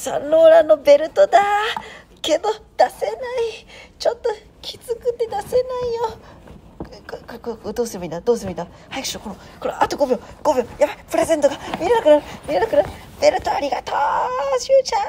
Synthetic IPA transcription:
sa̰nːoːɾano̞be̞ɾɯ̟t̪o̞d̪a | ke̞d̪o̞d̪̥ase̞nait͡ʃot̪ːo̞ | kʲʰizɨkɯ̟t̪ːed̪ase̞naijo | kkkkd̪o̞ːsɨɾɯmind̪ad̪oːs̬ɨɾɯmina | hajakɯ̥ɕiɾokono | koɾoʔat̪oɡobijoɡ̥obojapaipɯ̟ɾe̞ze̞nt̪oɡamʲiɾenakɯnaɾɯ̟mʲiɾenakɯ̟naɾɯ | be̞ɾɯ̟t̪o̞aɾʲiɡat̪oːɕɯt͡ɕa

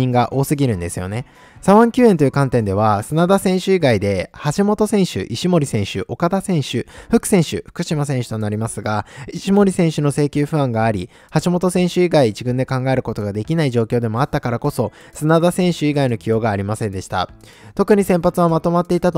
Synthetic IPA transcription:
ĩŋɡaʔo̞ːsɨɡʲiɾɯ̟̃nd̪e̞sɨjo̞̰ne̞ | saβãŋkʲɨːe̞nt̪ojɯkãnt̪ẽ̞nd̪e̞β̞asɨnad̪asẽ̞ɰ̃ɕɨiɡaid̪e̞haɕimo̞t̪o̞sẽ̞ɰ̃ɕɨ̰ʔiɕimo̞ɾʲisẽ̞ɰ̃ɕɨ̰ʔo̞kad̪asẽ̞ɰ̃ɕɨɸɯ̟kɯ̟̥sẽɰ̃ɕɨ̰ɸɯ̟̥kɯ̟ɕimasẽ̞ɰ̃ɕɨ̥t̪o̞naɾʲimasɨɡaiɕimo̞ɾʲisẽ̞ɕɨno̞se̞ːkʲɨːɸɯ̟ãŋɡaːɾʲi | haɕimo̞t̪o̞sẽ̞ɰ̃ɕɨiɡaid͡ʑiɡɯ̟̃nd̪e̞kãŋɡae̞ɾɯ̟kot̪o̞ɡad̪e̞kʲinaiʑo̞ːkʲo̞ːd̪e̞mo̞at̪ːakaɾako̞so̞ | sɨnad̪asẽ̞ɰ̃ɕɨiɡaino̞kʲijo̞ːɡaːɾʲimasẽ̞nd̪e̞ɕi̥t̪a̰ | t̪o̞kɯ̟ɲ̟isẽ̞mpat͡sɨβamat̪o̞mat̪ːe̞it̪at̪

